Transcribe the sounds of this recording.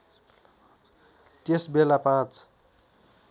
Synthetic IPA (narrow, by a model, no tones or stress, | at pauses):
t̪esbelapãt͡s